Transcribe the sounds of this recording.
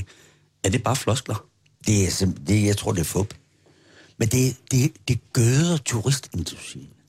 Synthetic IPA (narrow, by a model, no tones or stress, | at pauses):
æɐd̥e̝b̥ɑ̈ːflɒsɡ̥lɐ | d̥e̝æsemd̥e̝jɑ̈ɪt͡sʰʁo̝ɐ̰d̥e̝ɐfɔ̽b̥ | mend̥e̝d̥e̝d̥e̝ɡ̥øːðˠɐt͡sʰuʁisd̥e̝nd̥usḭːm